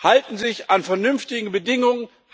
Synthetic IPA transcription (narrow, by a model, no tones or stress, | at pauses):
haltn̩zɪçanfɛɐnʏnftɪɡŋ̩bədɪŋʊŋən